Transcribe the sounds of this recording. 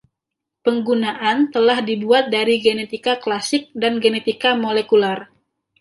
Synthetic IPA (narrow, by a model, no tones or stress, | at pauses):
pəŋɡunaʔant̪əlahdibuat̪̚daɾiɡenet̪ikaklasɪk̚danɡenet̪ikamolekular